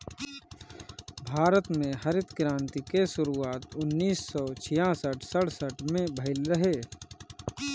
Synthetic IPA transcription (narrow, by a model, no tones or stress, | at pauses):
bʱaːɾət̪mẽɦɐɾɪt̪kɪɾãːnt̪ikeʃʊɾuaːt̪ʊnːiːsːɔːt͡ʃʰɪjãːsəʈʰsəɽsəʈʰmẽbʱəɪlɾəɦeː